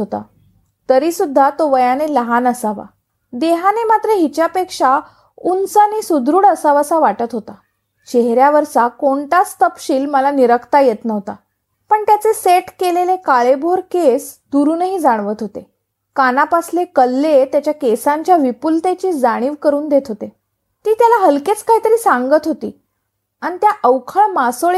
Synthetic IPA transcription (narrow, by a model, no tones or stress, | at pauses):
ot̪a̰ | t̪əɾisud̪ʱːat̪oʋəjaneləɦanəsaʋa̰ | d̪eɦanemat̪ɾəɦit͡ɕjapekʂa | unsanisud̪ʱɾuːɽəsaʋəsaʋaʈət̪ɦot̪a | t͡ɕeɦɾjaʋəɾsakoɳʈast̪əpɕiːlməlaniɾəkʰt̪ajet̪nəʋt̪a̰ | pəɳt̪jat͡seseʈkelelekaɭebʱoɾkesd̪uɾuːnəɦiːd͡zaɽ̃ʋət̪ɦot̪e | kanapaslekəlːet̪jat͡ɕjakesaɲt͡ɕjaʋipult̪et͡ɕiːd͡zaɽ̃iːʋkəɾuːnd̪et̪ɦot̪e | t̪iːt̪jalaɦəlket͡skaɦiːt̪əɾiːsãŋɡət̪ɦot̪iː | añit̪jaʔəʋkʰəɭmasoɭ